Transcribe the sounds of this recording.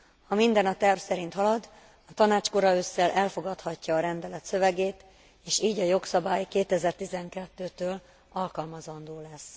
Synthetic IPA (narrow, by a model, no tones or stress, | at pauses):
hɒmind̪ɛnɒt̪ɛrfsɛɾint̪ɦɒlɒd̪ | ɒt̪ɒnaːt͡ʃko̞ɾɒøːsːɛlʔɛlfo̞ɡɒt̪hɒcːɒːɾɛnd̪ɛlɛt̪sø̞vɛɡeːt̪ | eːʃiːɟɒjo̞ksɒbaːjkeːt̪ɛzɛrt̪izɛŋkɛt̪ːøːt̪øːl | ɒlkɒlmɒzɒnd̪oːlɛs